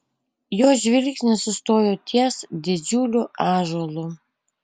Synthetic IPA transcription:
joːʒʲʋʲɪlʲkʲsʲnʲɛsʊst̪oːjoːt̪ʲʰiɛsd̪ʲɪd͡ʒʲuːlʲʊɑːʒoːlˠʊ

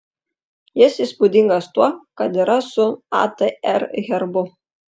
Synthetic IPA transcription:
jɪsispud̪ʲiŋɡɐst̪uɔkɐt̪ɪɾɐsʊa̰t̪eɛɾɣʲɛɾbʊ

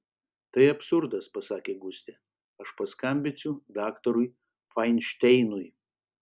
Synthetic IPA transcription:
t̪ɐɪɐpʲsʊɾd̪ɐspɐsɑːkʲeːɡʊsʲt̪ʲɛ | ɐʃpɐskɐmʲbʲɪsʲʊd̪ɑːkt̪ɔɾʊɪ | fɐɪnʲʃʲt̪ʲɛɪnʊj

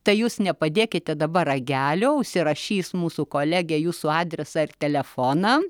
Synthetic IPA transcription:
t̪ɐɪjuːsnʲɛpɐd̪ʲeːkʲɪt̪ʲɛd̪ɐbɐɾɐɡʲæːlʲoːʊʃʲsʲɪɾɐʃʲiːsmuːsukoːlʲæːɡʲɛːjuːsʊɑːd̪ʲɾʲɛsɐːɪrt̪ʲɛlʲɛfoːnɑː

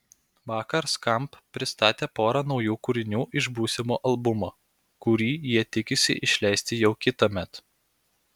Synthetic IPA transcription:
ʋɑːkɐɾskɐmppʲːɾʲɪst̪ɑːt̪ʲeːpoːɾɑnɒʊjuːkʊɾʲɪnʲuːʔɪʒbuːsʲɪmoːʔɐlˠbʊmoː | kʊɾʲiːjiɛt̪ʲɪkʲɪsʲɪ̰ʔɪʃʲlʲɛɪsʲt̪ʲɪjɛʊkʲɪt̪ɐmʲɛt̪

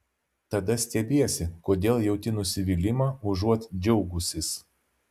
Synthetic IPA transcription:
t̪ɐd̪ɐsʲt̪ʲɛbʲeːsʲɪkoːd̪ʲeːlˠjɛʊt̪ʲɪnʊsʲɪʋʲiːlʲɪmɑːʊʒuɔt̪d͡ʒʲɛʊɡʊsʲɪs

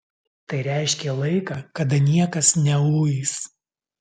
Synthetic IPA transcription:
t̪ɐɪɾʲæˑɪʃʲkʲeːlˠɐɪkɐːkɐd̪ɐnʲiɛkɐsnʲɛuːjiːs

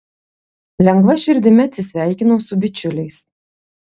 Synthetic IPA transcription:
lʲɛŋɡʋɐʃʲɪɾʲd̪ʲɪmʲɛɐt̪ʲsʲɪsʲʋʲæˑɪkʲɪnoːsʊbʲɪt͡ʃʲʊlʲɛɪs

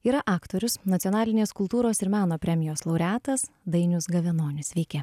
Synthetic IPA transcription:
iːɾɐʔɑːkt̪oːɾʲʊsnɐt̪ʲɪjɔnɑːlʲɪnʲeːskʊlˠt̪uːɾoːsɪɾmʲæːnoːpʲɾʲɛmʲɪjoːslˠɒʊɾʲæːt̪ɐs | d̪ɐɪnʲʊsɡɐʋʲɛnoːnʲɪsʋʲɛɪkʲeː

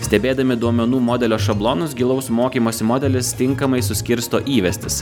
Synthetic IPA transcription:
sʲt̪ʲɛbʲeːd̪ɐmʲɪd̪uɔmʲɛnuːmɔd̪ʲɛlʲoːʃɐblˠoːnʊsɡʲɪlˠɐʊsmoːkʲiːmoːsʲɪmɔd̪ʲɛlʲɪst̪ʲɪŋkɐmɐɪsʊsʲkʲɪɾst̪oːʔiːʋʲɛsʲt̪ʲɪs

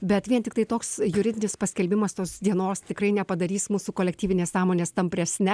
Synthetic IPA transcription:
bʲɛt̪ʋʲiɛnt̪ʲɪk̚t̪ɐɪt̪oːksjʊɾʲɪdʲɪnʲɪspɐsʲkʲɛlʲbʲɪmɐst̪oːsd̪ʲiɛnoːst̪ʲɪkrɐɪnʲɛpɐd̪ɐɾʲiːsmuːsukoːlʲɛk̚t̪ʲiːʋʲɪnʲeːsɑːmoːnʲeːst̪ɐmʲpʲɾʲɛsʲnʲɛ

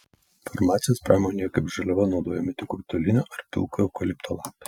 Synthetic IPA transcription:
fɔɾmɑːt̪sʲɪjoːspɾɑːmoːnʲejɛkɐɪpʒɐlʲɛʋɐnɒʊd̪oːjɛmʲɪt̪ʲɪkʊkʲt̪ɔlʲɪnʲoːʔɐɾpʲɪ̰lˠkojɛʊkɔlʲɪpt̪ʰoːlˠɑˑpʲɛ

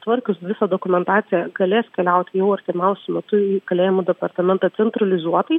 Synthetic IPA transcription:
t̪ʋɐɾʲkʲʊsʋʲɪsɐd̪oːkʊmʲɛnt̪ɑːtsʲɪjɛɡɐlʲeːskʲɛlʲɛʊt̪ʲjɛʊɐɾʲt̪ʲɪmʲɛʊsʲʊmʲɛt̪ʊiːkɐlʲeːjɪmʊd̪ʲɛpɐɾt̪ɐmʲɛnt̪ɐt̪sʲɛnt̪ɾɐlʲɪzuɔt̪ɐɪ

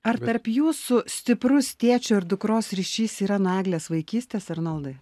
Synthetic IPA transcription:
ɐɾtt̪ɐɾpjuːsʊsʲt̪ʲɪpɾʊst̪ʲeːt͡ʃʲʊɪɾd̪ʊkɾoːsɾʲiːʃʲiːsiːɾɐnɑːɡlʲeːsʋɐɪkʲiːsʲt̪ʲeːsɐɾnɐlˠd̪ɐ

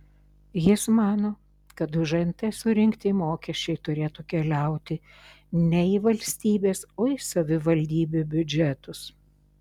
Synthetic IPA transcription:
jɪsmɑːnoː | kɐt̪ʊʒɐnt̪ɐsʊɾʲɪŋkt̪ʲɪmoːkʲɛʃʲt͡ʃʲɛɪt̪ʊɾʲeːt̪uːkʲɛlʲɛˑʊt̪ʲɪ | nʲɛiʋɐlʲsʲt̪ʲiːbʲeːsoːɪsɐʋʲɪʋɐlʲd̪ʲiːbʲubʲʊd͡ʒʲɛt̪ʊs

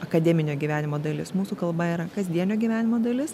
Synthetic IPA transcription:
ɐkɐd̪ʲɛmʲɪnʲoːɡʲiːʋʲæːnʲɪmoːd̪ɐlʲɪsmuːsuːkɐlˠbɐiːɾɐkɐzʲd̪ʲiɛnʲoːɡʲiʋʲæːnʲɪmoːd̪ɐlʲɪs

